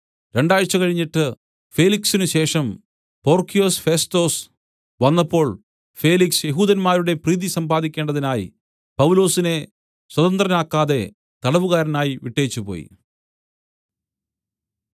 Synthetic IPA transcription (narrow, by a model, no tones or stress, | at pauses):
ɾe̞ɳɖaːjɻɐt͡ɕːɐkɐɻiɲːiʈːɨ | feːliksinɨɕe̞ːʂɐm | po̞ːrkʰijo̞ːsfe̞sto̞ːs | ʋɐnːɐpːo̞ːɭ | fe̞ːliksjeɦuːðɐnmaːɾuɽe̞priːðisɐmbaːðikʲːe̞ːɳɖɐðinaːjḭ | pɐwulo̞ːsine̞ | swɐðɐnd̪rɐnaːkːaːðe̞ | t̪ɐɽɐʋuɣaːɾɐnaːjiʋiʈːeːt͡ɕːupo̰ːjḭ